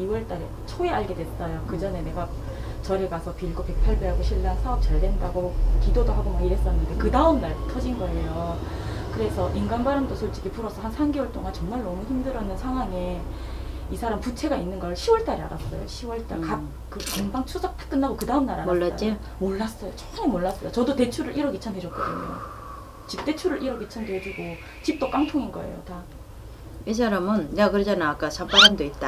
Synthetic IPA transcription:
iwʌɭt͈aɾe | t͡ɕʰoeaɭɡe̞dwe̞s͈ʌjokɯd͡ʑʌne̞ne̞ɡa | t͡ɕʌɾeɡasʰʌpiɭɡope̞k̚pʰaɭbeɦaɡoɕʰiɭːansʰaʌp̚t͡ɕaɭdendaɡokidodoɦaɡomaiɾe̞s͈ʌnːɯnde̞kɯdaɯmnaɭtʰʌd͡ʑinɡʌe̞jo | kɯɾe̞sʰʌʔinɡanbaɾɯmdosʰoɭt͡ɕ͈iɡipuɾʌsʰʌhansʰanɡewʌɭt͈oŋant͡ɕʌŋmaɭnʌmuçimdɯɾjʌnːɯnsʰaŋwaŋe̞ | isʰaɾamput͡ɕʰe̞ɡainːɯnɡʌɭɕʰiwʌɭt͈aɾia̰ɾas͈ʌ̰jo̰ɕʰiwʌɭt͈a̰ɭkak̚ | kɯkaŋbaŋt͡ɕʰusʰak̚t͈ʰḁk͈ɯnːaɡokɯdaɯmnaɾaaoːaai | moɭːas͈ʌjot͡ɕʰo̥k͈ʰɯnemoɭːas͈ʌjot͡ɕʌdote̞t͡ɕʰuɾɯɾʔiɾʌɡit͡ɕʰanɦed͡ʑʌt̚k͈ʌdɯ̰ɲo̰ | t͡ɕip̚t͈e̞t͡ɕʰuɾɯɾʔiɾʌɡit͡ɕʰandoɦed͡ʑuɡo | t͡ɕip̚t͈ok͈aŋtʰoŋinɡʌe̞̰jo̰ta | is̬ʰaɾamɯnjakɯɾed͡ʑanaːk͈at͡ɕʰampaɾamdoit̚t͈a

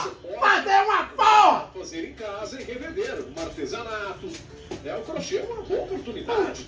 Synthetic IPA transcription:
umad̪eũmapafazeɾẽkazɐẽheved̪eɾũmaɾt̪ezanat̪ʊ | ɛũkɾoʃemɐ̃nkõopoɾt̪unid̪ad͡ʒɪ

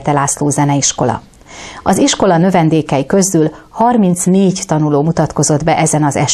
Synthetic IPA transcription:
t̪ɛlaːsloːzɛnɛiʃko̞lɒ̰ | ɒziʃko̞lɒnø̞vɛnd̪eːkɛjikø̞zyl | hɒrmint̪sneːɟt̪ɒnuloːmut̪ɒt̪ko̞zo̞d̪bɛʔɛzɛnɒzɛʃ

